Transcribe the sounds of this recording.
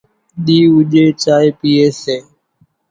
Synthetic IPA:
ɗiːʊʄeːt͡ʃaːeːpiːeːseː

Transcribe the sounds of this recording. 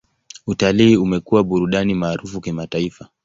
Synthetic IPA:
utaliːumɛkuwaɓuɾuɗanimaːɾufukimataifa

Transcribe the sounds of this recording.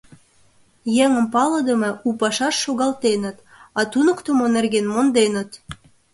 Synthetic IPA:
jeŋə̆mpɑlə̆d̪ə̆mɤ̆upɑʃɑʃːoɣɑlt̪enə̆t̪ | ɑt̪unə̆kt̪ə̆monerɣenmond̪enə̆t̪

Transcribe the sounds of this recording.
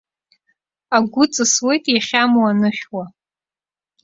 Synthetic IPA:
aɡʷʊt͡sʼɨswe̞jtʼjaχʲamuanɨχʲwa

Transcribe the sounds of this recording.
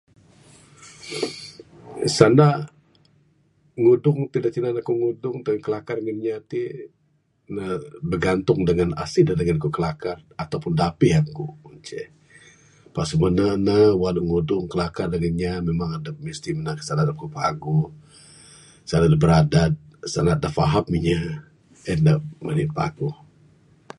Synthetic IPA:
sana | ŋudʊŋt̪idak̚t͡ʃinanakuŋudʊŋt̪ənkəlakarəŋənɲat̪i | nəbərɡant̪ʊŋdəŋana̰sidadəŋankukəlakarat̪awpʊndapiɦaŋkuunt͡ʃɛ̰ | pasumənanawanuŋudʊŋkəlakardəŋənɲamemaŋadamist̪imənakə̥sanadap̚kupaɡu | sanadabəɾadat̪̚sa̰nat̪̚dafaɦap̚miɲa | əndamənipa̰ɡu

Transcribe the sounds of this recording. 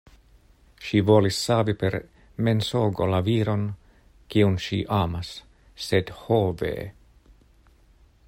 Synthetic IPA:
ʃivolisːaːvipeɾ | mensoːɡolaviːɾo̞n | kiunʃiʔaːmasː | edhovḛ

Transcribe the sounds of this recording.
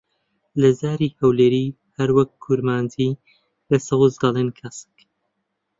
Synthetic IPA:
lɐzaːɾiːhɐwleɾiː | hɐɾwɐk̚kʰːuɾmaːndiː | lɐsɨwɨzd̪ɐleːnkʰɐsɨ̥k

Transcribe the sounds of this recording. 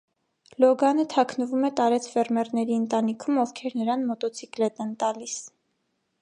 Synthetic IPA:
lɔɡɑnət̪ʰɑkʰnəvumɛt̪ɑɾɛt͡sʰfɛrmɛrnɛɾiənt̪ɑnikʰumɔvkʰɛɾnəɾɑnmɔt̪ɔt͡sʰiklɛt̪ɛnt̪ɑlis

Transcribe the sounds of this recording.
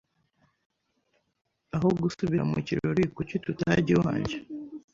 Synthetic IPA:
aɦoɡusuβiɾa̰mṵciɾoɾikucotutaɟiwa̰ːɲɟe

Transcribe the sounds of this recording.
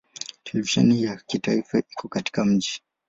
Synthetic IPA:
tʰɛlɛviʃɛ̰nijakitaifaʔikɔkati̥kam̩ʄi

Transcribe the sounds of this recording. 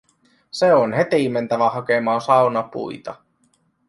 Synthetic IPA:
seonɦet̪iːmːe̞nt̪æʋæɦɑke̞mɑːsɑwnɑpṵjt̪ɑ̰

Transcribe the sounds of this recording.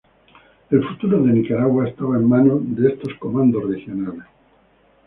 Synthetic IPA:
e̞lfut̪uɾoðe̞nikaɾaɣwaest̪aβaemmãnoðeest̪o̞sko̞mãnd̪osrexjo̞nales

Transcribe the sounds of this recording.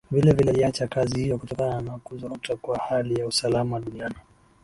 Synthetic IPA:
vilɛvilɛat͡ʃakazihijɔkutɔkanaanakuzakutakwahalijausalamawaɗuniani

